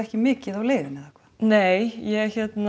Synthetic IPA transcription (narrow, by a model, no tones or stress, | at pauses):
ɛhcɪmɪːcɪðawleːvɪnaðḁkʰvaːneːjjɛçjɛt̪n